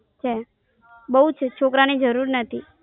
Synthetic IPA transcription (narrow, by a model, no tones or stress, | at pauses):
t͡ʃʰe | bəɦut͡ʃʰt͡ʃʰokɾanid͡ʒəɾuɾnət̪ʰi